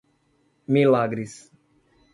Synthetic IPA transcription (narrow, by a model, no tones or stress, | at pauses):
milaɡɾis